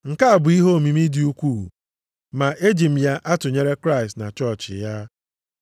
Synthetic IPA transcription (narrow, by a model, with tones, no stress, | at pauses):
ŋ̩˨ka˦a˨bʊ˨i˦ɦo˦˨mi˨mi˦di˨u˦kʷṵ˦˨ | ma˨ʔe˦d͡ʒi˨m̩˨ja˦ʔa˦tʊ˨ɲe˦ɾe˦kɾa˦ɪ˨stna̰˨t͡ʃɔ˦˨t͡ʃɪ̰˨ja˦